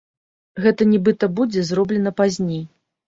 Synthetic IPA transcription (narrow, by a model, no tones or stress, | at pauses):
ɣɛt̪ɐnʲɛbɨt̪ɐbud͡zʲɛzrɔblʲɛnɐpazʲnʲej